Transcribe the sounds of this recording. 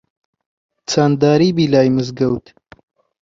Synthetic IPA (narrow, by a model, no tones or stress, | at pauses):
t͡sʰaːnd̪aːɾiːbiːlaːjmɨzɡɐwt̪